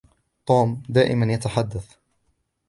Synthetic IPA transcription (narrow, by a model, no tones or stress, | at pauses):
t̪ˤoːmd̪aːʔɪ̰manjat̪aħad̪ːaθ